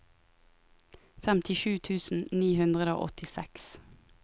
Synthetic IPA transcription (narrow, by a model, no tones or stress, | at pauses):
fɛmt̪ʰɪʃʉːt̪ʰʉːsn̩niːhʉnd̪ʁəd̪əo̰ːʔɔ̰t̪ʰɪsɛ̰ks